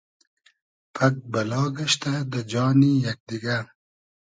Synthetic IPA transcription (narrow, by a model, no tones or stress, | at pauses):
pʰɐk̚bɐlɑːɡɐʃt̪ad̪ɐd͡ʒɑːnijak̚d̪iɡa